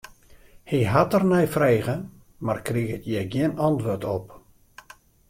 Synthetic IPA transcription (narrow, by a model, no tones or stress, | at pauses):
hiɦatərnɛjfreːɣə | markriɣətjɛjɡɪənɑntʋortɔp